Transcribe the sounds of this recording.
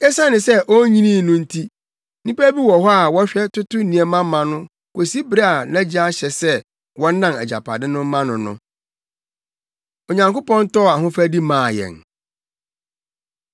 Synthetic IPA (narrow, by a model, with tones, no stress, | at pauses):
ɛ˦sã˦nɪ̃˨sɛ˦ʔɔ˦ɲĩ˦nĩː˦˨nʊ̃˦n̩˦tʰi˦ | nĩ˦pæ˦bi˦wɔ˨ɦɔ˦a˨wɔ˦ɕᶣɛ˦tʊ˦tʊ˦nĩ˨ɛ˨mã˦mã˨nʊ̃˦ | ko˨si˦bɾa˦a˨nɛ̃˦d͡ʑi˦a˦ɕɛ˨sɛ˦ | wɔ̃˦n̩˦nːã˦˨mɛ̰˨d͡ʑa̰˨pʰa̰˨dɪ̃˦nʊ̃˦m˦mã˦nʊ̃˨nʊ̰̃˦ | o˨ɲã˨ŋko˦pɔ̃˦n˦tɔ˦˨a˨ɦʊ̃˦fæ˦di˦mãː˨jɛ̰˨n